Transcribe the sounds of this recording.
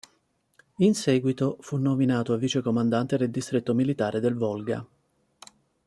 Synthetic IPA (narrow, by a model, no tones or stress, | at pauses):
insɛːɡwit̪ofunːominaːt̪oavːiːt͡ʃekomand̪ant̪ed̪eld̪ist̪ɾet̪ːomilit̪aːɾed̪elvɔlɡa̰